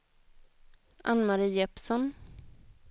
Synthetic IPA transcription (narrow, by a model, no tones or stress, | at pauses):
ʔa̰nːmaɾiːɛpsɔn